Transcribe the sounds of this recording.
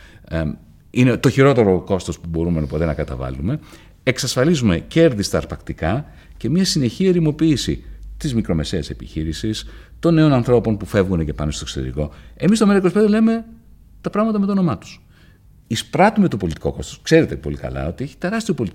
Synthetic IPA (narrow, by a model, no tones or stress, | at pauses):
inet̪o̞çiɾo̞t̪e̞ɾo̞ko̞st̪ospubo̞ɾume̞nɐpo̞t̪e̞nɐkɐt̪ɐ̰vɐ̰lume̞ | eksɐsfɐlizume̞ce̞ɾðist̪ɐːɾpɐkt̪ikɐ | ce̞miɐsine̞çiɐeɾimo̞piːsḭt̪izmikɾo̞me̞se̞ɐse̞pḭçiɾisist̪o̞nːe̞o̞nɐnθɾo̞po̞npufe̞vɣune̞ce̞pɐnost̪oksot̪eɾiko̞e̞mist̪omeɾikospeðele̞me̞ | t̪ɐpɾɐɣmɐt̪ɐmet̪ono̞mɐt̪u̥s | ispɾɐt̪ume̞t̪o̞po̞lit̪i̥ko̞ko̞st̪oskse̞ɾe̞t̪e̞po̞likɐ̰lɐ̰o̞t̪ie̞çi̥t̪e̞ɾɐst̪io̞po̞lit̪